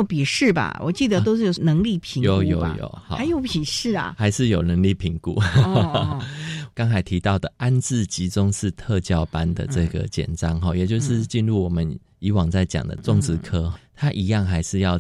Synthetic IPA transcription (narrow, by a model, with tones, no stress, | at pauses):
pi˨˩ʂɻ̩˥˩bɐ̰˩wɔ̰˨˩t͡ɕi˥˩d̪ə˨˧t̪o˥ʊʂɻ̩˥˩jo˨˩nə˧˥ŋli˥˩pʰi˧˥jo˨˦jo̰˨˦ʊjo̰˨˩ʊha˨˦ɪjo˧˥ʊpʰi˨˩ʂɻ̩˥˩ɐ̰˩xa˧˥ɪʂɻ̩˥˩jo˨˩ʊnə˧˥ŋli˥˩pʰi˧˥ŋkṵ˨˩˦ | kɑ˥ŋt͡sʰa˨˩ɪt̪ʰi˧˥t̪ɑ˥˩ʊd̪ə˩a˦nt͡sɹ̩˥˨t͡ɕi˧˥t͡sʊ˦ŋʂɻ̩˥˧t̪ʰɤ˥˧t͡ɕjɑ˥˩ʊpa˦nd̪ə̰˨ʈ͡ʂɤ˥˩ɡə̰˨˩t͡ɕjɛ̰˨˩nʈ͡ʂɑ˦ŋxɔ˨jɛ˨˩t͡ɕjo˥˧ʊʂɻ̩˥˧t͡ɕi˥˧nɻu˥˩wɔ˨˩mə˦n | i˧˥wɑ˨˩ŋt͡sa˥˩ɪt͡ɕjɑ̰˨˩ŋd̪ə̰˦ʈ͡ʂʊ˥˨˩ŋt͡sɹ̩˧˥kʰɤ˥˩t̪ʰa˥ʔi˧˥jɑ˥˩ŋxa˧˥ɪʂɻ̩˥˧jɑ˥˩ʊ